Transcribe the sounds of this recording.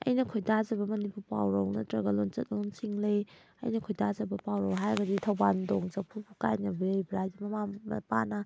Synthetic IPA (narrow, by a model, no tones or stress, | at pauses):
ɐ̰jnɐkʰojdazɐbɐmɐnipuɾpa̰wɾɐwnɐtɾɐɡɐlont͡ʃɐt̚lonsiŋlɐj | ɐ̰jnɐkʰojdazɐbɐpawɾɐwɦajɐɡɐditʰɐwbandoŋzɐk̚pʰupʰuka̰jnɐbiɾejbɾajdimɐmamɐ̰pa̰nɐ